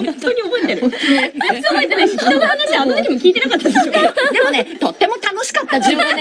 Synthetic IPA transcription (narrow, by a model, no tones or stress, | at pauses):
õt̪ːoɲ̟iobo̞et̪eɾɯõ | at̪enasiianaɕanototkʲimo̞kʲiːt̪e̞nakat̪ːad̪eɕokad̪e̞mo̞net̪o̞t̪ːe̞mo̞t̪ano̞ɕi̥kat̪ːad͡ʑibɯ̃